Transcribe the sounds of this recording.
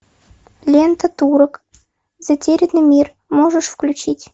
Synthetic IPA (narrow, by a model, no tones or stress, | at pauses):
lʲent̪ət̪uɾɤ̆k | z̥atʲeɾʲɪd̪nɨmʲir | moʐəʂfklʲut͡ɕitʲ